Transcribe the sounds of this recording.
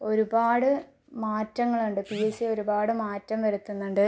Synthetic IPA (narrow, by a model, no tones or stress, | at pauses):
o̞ɾubaːɽɨ | maːtrɐŋːɐɭuɳɖɨpiesio̞ɾubaːɽɨmaːtrɐmʋɐɾut̪ːunːuɳɖɨ